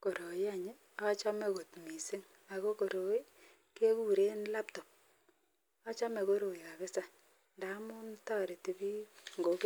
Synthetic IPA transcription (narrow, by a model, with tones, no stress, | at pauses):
ko˨ɾo˨ɪ˦a˨ɲɪ˦ | a˦t͡ʃa˦me˦ko˨tmi˨si˦ŋ | a˨ko˦ko˨ɾo˨i˦ | ke˦ku˦ɾe˦nla˦p̚tɔ˨p̚ | a˦t͡ʃa˦me˨ko˦ɾo˨i˨ka˨ke˦sa˨ | nda˨˦mʊ˦nta˦˨ɾe˨ti˨bi˦ŋɡo˨k